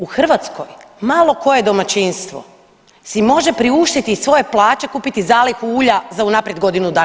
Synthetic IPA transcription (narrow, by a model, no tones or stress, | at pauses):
uxr̩ʋat̪sko̞̰jmalo̞ko̞je̞d̪o̞mat͡ɕinst̪ʋo̞̰ | simo̞ʒe̞pɾiuʃt̪it̪isʋo̞je̞plˠaːt͡ɕe̞kuːpit̪izaːlixuuːʎazaunapɾje̞d̪ɡo̞d̪inud̪aː